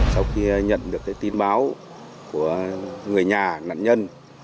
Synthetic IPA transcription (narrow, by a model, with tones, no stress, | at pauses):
sa˧wxi˧ɲə̰˧˨nɗɨ˨˩əkːaː˨˦jt̪i˧nɓaː˨˦w | ku˧˩əŋɨ˨˩əjɲaː˨˩na̰ː˧˨nɲə˧n